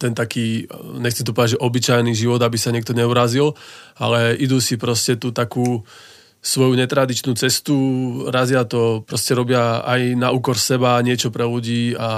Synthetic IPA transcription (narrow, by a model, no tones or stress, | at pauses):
t̪ɛnt̪akiːɲɛxt͡sɛmt̪ɔpɔd̪ad͡ʒʒɛʔɔbit͡ʃajniʒiʋɔd̪abisaɲɪɛk̚t̪ɔɲɛuɾazila̰lɛʔid̪usipɾɔscɛt̪ut̪akuː | sʋɔjuɲɛt̪ɾad̪it͡ʃnuːt͡sɛst̪uɾazɪat̪ɔpɾɔscɛɾɔbɪaa̰jnauːkɔɾsɛbaɲɪɛt͡ʃɔpɾɛluɟiːa